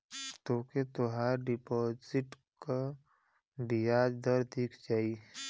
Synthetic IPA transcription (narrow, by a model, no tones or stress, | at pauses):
t̪oːket̪oɦaɾɖɪpɔːzɪʈ | ka | ɖijaːd͡ʒd̪əɾd̪iːkʰd͡ʒaːi